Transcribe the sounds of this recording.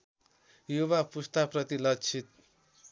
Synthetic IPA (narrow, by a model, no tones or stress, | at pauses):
juβapust̪aprʌt̪ilʌkt͡sʰit̪̚